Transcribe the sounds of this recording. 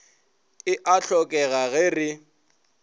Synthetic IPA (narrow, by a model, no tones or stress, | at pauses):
ɪʔaɬʰɔkʼɛɣaɣɛrɪ